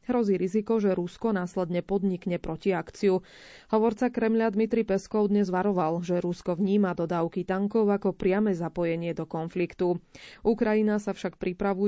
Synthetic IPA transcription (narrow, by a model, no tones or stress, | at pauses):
ɦɾɔziːɾizikɔʒɛɾuskɔnaːslɛd̪ɲɛpɔd̪ɲikɲɛpɾɔciakt͡siu | hɔʋɔɾt͡sakɾɛmʎad̪mit̪ɾipɛskɔʊd̪ɲɛzʋaɾɔʋalʒɛɾuskɔʋɲiːmad̪ɔd̪aːʊkit̪aŋkɔʊakɔpɾɪamɛzapɔjɛɲɪɛd̪ɔkɔnflikt̪uʔukɾajinasafʃakpɾipɾaʋu